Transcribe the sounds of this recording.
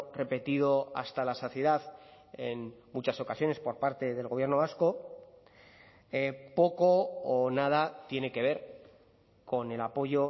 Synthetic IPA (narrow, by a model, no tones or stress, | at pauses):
re̞pe̞t̪iðo̞a̰st̪alaso̞θje̞ðaθ | enmut͡ʃaso̞kasjo̞ne̞spo̞ɾpaɾt̪e̞ðe̞lɣoβje̞ɾno̞β̞asko̞ | epo̞ko̞ːnað̞at̪je̞ne̞ke̞β̞e̞ɾ | ko̞ne̞lapo̞ʝo̞